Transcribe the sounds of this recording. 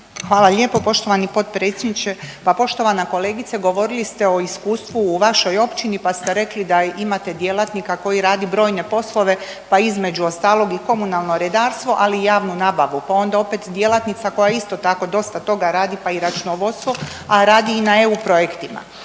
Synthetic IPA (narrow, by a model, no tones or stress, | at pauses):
xʋaːlˠaʎe̞po̞po̞ʃt̪o̞ʋanipo̞t̪pɾet̪sʲjed̪nit͡ʃepapo̞ʃt̪o̞ʋanako̞le̞ːɡit̪seɡo̞ʋo̞ɾilist̪e̞o̞iskuːst̪ʋuːʋaʃo̞jo̞pt͡ʃinipast̪e̞ɾe̞klid̪aimat̪e̞d̪je̞lˠat̪nikako̞jiɾaːd̪ibɾo̞ːjne̞po̞slˠo̞ʋe̞ | paizme̞d͡ʒuo̞st̪aːlˠo̞ɡiko̞munalˠnoɾed̪aːɾst̪ʋo̞ʔaliːjaːʋnunaːbaʋupao̞nd̪ao̞pet̪d̪jelat̪nit̪sako̞jaist̪o̞t̪ako̞d̪o̞st̪at̪o̞ɡaɾaːd̪ipaiɾat͡ʃunoʋo̞d̪st̪ʋo̞ | aɾaːd̪iːnae̞upɾo̞jekt̪ima̰